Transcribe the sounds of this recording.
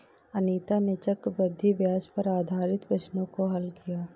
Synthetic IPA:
ɐniːt̪anet͡ʃɐkbɐd̪ʱːibjaːspɐɾaːd̪ʱaːɾɪt̪pɐʃnõkoɦɐlkijaː

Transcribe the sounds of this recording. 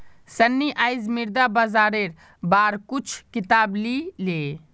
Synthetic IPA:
sɐnːiʔaːjzmiɾd̪abazaːɾeɾ | baːɾkut͡ʃʰkɪt̪aːblile

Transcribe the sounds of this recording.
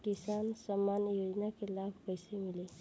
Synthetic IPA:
kisansəmːanjod͡ʒnakelabʱpəjsemile

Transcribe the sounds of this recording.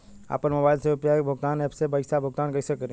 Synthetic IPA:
a̰ːpəɾmɐbaːɪlseʊpjaːbʱʊɡt̪aːnepʰsebaɪsabʱʊɡ̚t̪aːnkɐɪsekəɾẽ

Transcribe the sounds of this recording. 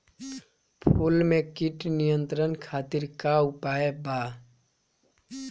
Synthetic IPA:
pʰulmekiʈnijənt̪ɾənkʰat̪iɾkaupaeba

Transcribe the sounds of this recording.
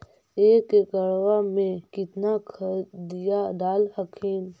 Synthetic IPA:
eːkeɡəɾʋamẽkɪt̪nakʰd̪ijaɖaːlhəkʰiːm

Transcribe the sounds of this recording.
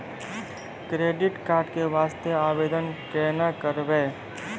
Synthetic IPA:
kɾeːɖɪʈkaːɾɖkeʋaːst̪jeaːbeːd̪ənkɛːnakəɾbe

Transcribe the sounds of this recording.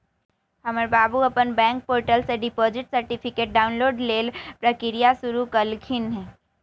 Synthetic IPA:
həməɾbaːbuɐpənbɛ̃ːŋk̚poːɾʈəlseɖɪpoːd͡ʒɪʈsəɾʈipʰɪkeːʈ̚ɖaːʊnloːɖleːlpɾəkɪɾijasʊɾukəlkʰɪnɦɛ̃ː

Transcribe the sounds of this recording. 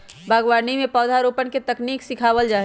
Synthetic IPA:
bʱaːɡwaːnimẽpɔːd̪ʱaɾoːpənket̪ɐkniːksɪkʰaːwəld͡ʒaːɦ

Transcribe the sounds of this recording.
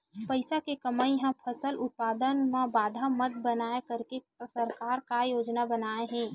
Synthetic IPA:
pəɪsakekɐmaːĩɦãpʰɐsəlʊt̪̚paːd̪ənʋabaːd̪ʱamɐd̪̚bənaːekɐɾke | səɾkaːɾkajoːd͡ʒnabənaːeɦɛ̃ː

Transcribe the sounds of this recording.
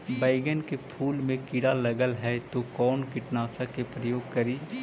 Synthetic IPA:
baːɪɡənkepʰuːlmẽkɪɽaləɡəlɦɛt̪okɔːnkɪʈnaːsakepɾəjoːɡ̚kɐɾiː

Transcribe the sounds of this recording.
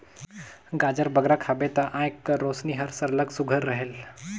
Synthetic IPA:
ɡad͡ʑəɾbəɡɾakʰabet̪əʔãjkəɾosniːɦəɾsəɾləɡsuɡʱəɾːəɦeːl

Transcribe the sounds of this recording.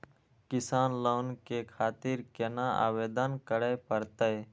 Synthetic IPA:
kɪsaːnləwnkekʰaːt̪iɾkenaa̰ːʋeːd̪ənkəɾepəɾt̪əj

